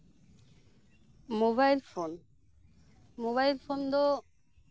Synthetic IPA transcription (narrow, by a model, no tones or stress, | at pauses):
moβajlfon | moβajlfond̪o